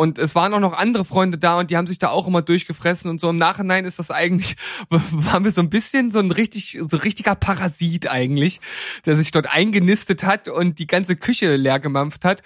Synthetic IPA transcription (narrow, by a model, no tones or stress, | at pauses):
ʔʊntɛsv̥aːʁənʔaʊxnɔχʔandəʁəfʁ̥ɔʏndədaːʊntd̥iːhaːbm̩zɪçd̥aːaʊxʔɪmɐdʊɐçɡ̥əfʁ̥ɛsn̩ʊntz̥oːɪmnaːχhɪnaɪnɪstd̥asʔaɪɡŋ̩tlɪçvvaːʁnviːɐzoːnbɪsçənzoːnʁɪçtɪçzoːnʁɪç̬tɪɡɐpʰaʁaziːtʔaɪɡŋ̩tlɪçd̥eːɐzɪçd̥ɔɐtʔa̰ɪnɡənɪstəthatʊnt̚d̥iːɡant͡səkʰʏçəleːɐɡəmamfthat